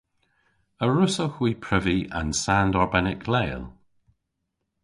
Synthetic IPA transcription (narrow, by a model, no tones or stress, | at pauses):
əɹʊsəxwipʰɹ̥ɪviʔə̰̃nsandɔɹbɛnɪkʰlɛːlˠ